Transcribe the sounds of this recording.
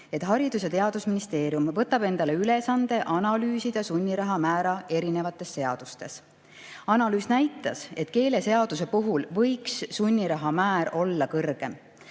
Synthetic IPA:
e̞t̪ˑɦɑɾid̪̥us̬et̪e̞ɑd̪̥usminist̪e̞ːɾijumvɤt̪ːˑɑb̥e̞nd̪̥ɑle̞yle̞sɑnd̪e̞ʔɑnɑlyːsid̪̥ɑsunʲːiɾɑɦɑmæːɾɑe̞ɾine̞vɑt̪ːˑe̞sːe̞ɑd̪̥ust̪e̞s | ɑnɑlyːsnæjt̪ːˑɑse̞t̪ˑke̞ːle̞se̞ɑd̪̥us̬e̞puɦulvɤ̞jksːunʲːiɾɑɦɑmæːɾʔo̞lːɑkɤrɡ̥e̞m

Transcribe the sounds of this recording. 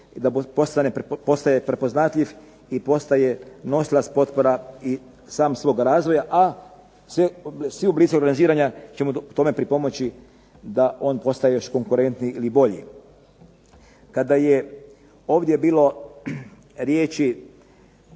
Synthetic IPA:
d̪apo̞st̪anepo̞st̪ajepɾe̞po̞znat̪lʎiʋ | ipo̞st̪aje̞no̞slaspo̞t̪po̞ɾai | saːmsʋo̞ːɡaɾaːzʋo̞jaʔa | sesʋiublit̪skaoɾɡaniziːɾaɲat͡ʃe̞muut̪o̞me̞pɾipo̞mo̞t͡ʃi | d̪aʔo̞ːnpo̞st̪ajejo̞ʃko̞ŋkuɾe̞nt̪niilibo̞ʎḭ | kad̪aje | o̞ːʋd̪je̞biːlo̞ | ɾjeːt͡ʃi

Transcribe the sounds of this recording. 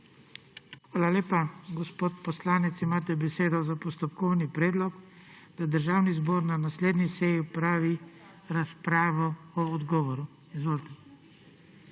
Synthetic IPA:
xʋaːlaleːpaɡɔspoːt̪pɔslaːnɛt̪simaːt̪ɛbɛseːd̪ɔzapɔst̪ɔpkɔwnipɾɛːd̪lɔkd̪̥ad̪əɾʒaːwnizboːɾnanasleːd̪nisɛjipɾaːʋi | ɾaspɾaːʋɔɔːd̪ɡɔːʋɔɾu | izʋoːlt̪ɛ

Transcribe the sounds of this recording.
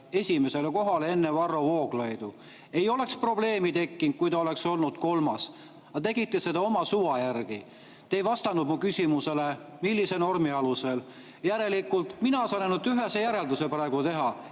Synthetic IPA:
e̞sʲime̞se̞leko̞ɦɑlee̞nːevɑrːovo̞ːɡlojd̪̥u | e̞jo̞le̞kspro̞ble̞ːmit̪e̞kːin̥̚kujt̪ɑo̞le̞kso̞lnud̪̥ko̞lmɑs | ɑt̪e̞ɡ̥it̪ːˑese̞d̪̥ɑo̞mɑsuvɑjærɡ̥i | t̪ejvɑst̪ɑnud̪̥mukysʲimuse̞le | milːise̞no̞rmiɑluse̞l | jæɾe̞likːˑult̪ˑminɑɑsɑnenːut̪ːyɦe̞sejæɾe̞ld̪use̞pæɾɑeɡ̥ut̪e̞ɦɑ

